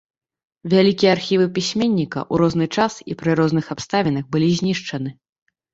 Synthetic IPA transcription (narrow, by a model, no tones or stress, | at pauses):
vʲalʲikʲijɛarxʲivɨpʲisʲmʲenʲːikɐ̰ʔuɾɔznɨt͡ʂasḭpɾɨɾɔznɨxapst̪avʲinɐɣbɨlʲizʲnʲiʂt͡ʂɐn̪ɨ